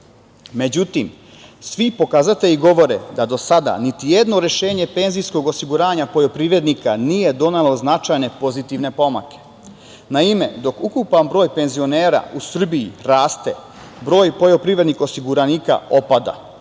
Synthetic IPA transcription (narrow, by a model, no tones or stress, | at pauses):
me̞d͡ʑut̪im | sʋipo̞kaːzat̪e̞iɡo̞ʋo̞ɾḛd̪ad̪o̞sad̪a̰nit̪ije̞d̪no̞ɾe̞ʃe̞ːɲepe̞nzijsko̞ɡo̞siɡuɾaːɲapo̞ʎo̞pɾiːʋɾe̞d̪nikanije̞d̪o̞nelo̞znat͡ʃajne̞po̞zit̪iʋne̞poma̰ke̞̥ | naime̞d̪o̞kukupanbɾo̞ːjpe̞nzio̞neːɾa̰usr̩biiɾaːst̪e̞ | bɾo̞ːjpo̞ʎo̞pɾiːʋɾe̞d̪nixo̞siɡuɾaniːka̰o̞pad̪a̰